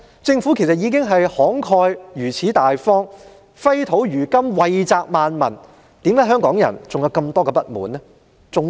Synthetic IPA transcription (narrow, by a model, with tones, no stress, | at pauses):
t͡sɪ˧ŋfu˨˥kʰe˨˩jsɐ˨t̚jiː˨˧k̬ɪ˥ŋɦɐ˨jhɔː˨˥ŋkʰɔː˧jjyː˨˩t͡sʰiː˨˥t̪aː˨jfɔː˥ŋ | fɐ˥jt̪ʰo˨˥wjyː˨˩kɐ˥mwɐ˨jt͡saː˧k̚maː˨nmɐ˨˩n | t̪i˨˥mlaː˨˥ɦœː˥ŋkɔː˨˥ŋjɐ̰˨˩nt͡sʊ˨ŋjɐ˨˧wkɐ˧mt̪ɔː˥kɛː˧pɐ˥t̚muː˨˦nːɛ˥ | t͡sʊ˨ŋ